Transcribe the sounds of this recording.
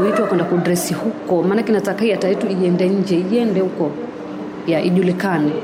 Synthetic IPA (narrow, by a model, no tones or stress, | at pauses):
wikiwakwɛndakudɾɛsihukɔmaːnakinatakahiataɛtuiɛndɛɲ̩d͡ʒɛiɛndɛhukɔ | jaʔḭʄulikani